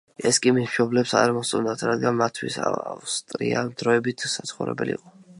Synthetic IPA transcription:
ɛskʼimisʃɔblɛpsa̰ɾmɔst̪ʼund̪at̪ʰɾad̪ɡanmat̪ʰːwḭsa̰ast̪ʼɾḭa̰d̪ɾɔɛbit̪ʰsat̪sʰχuɾɛ̰bɛliiqʼɔ

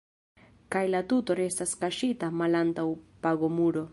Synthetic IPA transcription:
kajlat̪ut̪oɾest̪askaʃit̪amalant̪awpaɣomuɾo

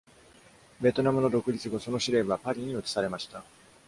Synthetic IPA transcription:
be̞t̪o̞namɯ̟no̞d̪o̞kɯ̟ɾʲit͡sɨɡo̞so̞no̞ɕiɾe̞bapaɾʲiɲ̟iot̪i̥saɾe̞maɕi̥t̪a

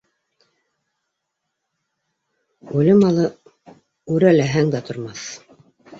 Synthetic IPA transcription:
ʉlɘmɑlˠɤ | ʉɾælæɦæŋd̪æt̪ʰŏɾmɑθ

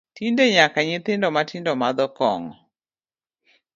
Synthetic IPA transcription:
tindeɲakaɲɪt̪ɪndɔmatɪndɔmad̪ɔkɔ̰ŋɔ

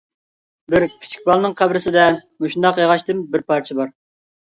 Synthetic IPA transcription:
bɪɾkʲʰi̥t͡ʃʰi̥k̚ʲbɑlˠnɨŋqʰæbɾɪsɪd̪ɛmoʃund̪ɑqjeʁɑʃt̪ɨmbɪɾpʰɑɾt͡ʃʰɛbɑɾ

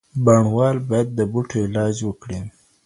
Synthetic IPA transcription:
baɳwɑlbɑjad̪ːəbuʈʰoɪlɑd͡ʒwəkɽi

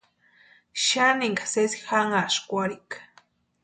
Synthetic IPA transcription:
ʃaniŋɡasesixaŋaʃkʷaɾikḁ

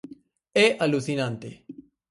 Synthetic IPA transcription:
eʔalusinãnt̪ḛ

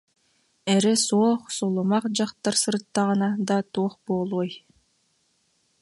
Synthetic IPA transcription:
ɛɾɛsuːχsulˠumɑqd͡ʑɑqt̪aɾsɯɾt̪ːɑʁɯnɑd̪at̪uːχboːlˠuɔj

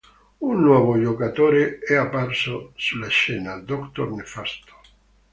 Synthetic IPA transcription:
unːwɔβoʎokat̪oɾeɛapaɾsosulaʃenad̪okt̪oɾnefast̪o̥

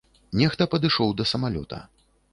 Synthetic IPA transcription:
nʲɛxt̪ɐpɐd̪ɨʂɔwd̪ɐsɐmalʲɔ̰t̪ʰɐ̰

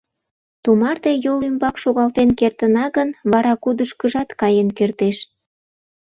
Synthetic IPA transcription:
t̪umɑrt̪ejolymbɑkʃoɣɑlt̪enkert̪ənɑɣənβɑɾɑkud̪əʃkəʒɑt̪kɑjənkert̪eʃ

